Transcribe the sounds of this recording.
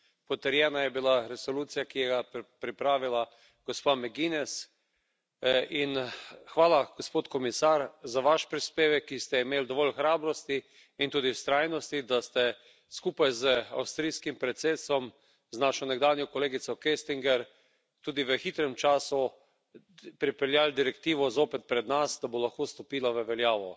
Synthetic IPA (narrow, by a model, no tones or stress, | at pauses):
pɔt̪əɾjɛːnajɛbilaɾɛsɔluːt̪sijakijɛɡapɾipɾaːʋila | ɡ̥ɔspamɛɡinɛs | inxʋaːlaɡ̥ospoːt̪kɔmisaɾzaʋaʃpɾispeːʋɛkːist̪ɛimeːld̪ɔʋɔlxɾaːbɾɔst̪i | int̪uːd̪ist̪ɾajnɔst̪id̪ast̪ɛ | skuːpajzəa̰wst̪ɾiskimpɾɛt̪seːt̪st̪ʋɔm | znaʃɔnɛɡd̪aːnjɔkɔleːɡit̪sɔkest̪iŋɡɛɾ | t̪uːd̪iʋəxit̪ɾɛmt͡ʃaːsu | pɾipɛljaːld̪iɾɛkt̪iːʋɔzoːpɛt̪̚pɾɛd̪nasd̪abolaxkoːst̪ɔpiːlaʋəʋɛljaːʋɔ̰